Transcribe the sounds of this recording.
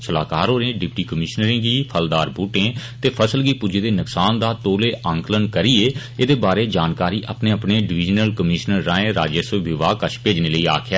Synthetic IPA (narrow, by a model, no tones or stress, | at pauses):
t͡ʃʰəla̰ːkaːɾɦoːɾẽːɖɪpʈiːkəmɪʃnəɾẽːɡiːpʰəld̪aːɾbʱuːʈẽːt̪eːpʰəsəlɡiːpʊd͡ʒeːd̪eːnʊksaːnd̪aːt̪oːleːʔʔə̃ŋklənkəɾiːeː | eːd̪eːbaːɾeːd͡ʒaːnkaːɾiːʔəpneːəpneːɖɪʋɪːd͡ʒnəlkəmɪːʃnəɾːaːẽːɾa̰ːd͡ʒəsəʋɪʋaːkəʃpeːd͡ʒneːləiːa̰ːkʰjaː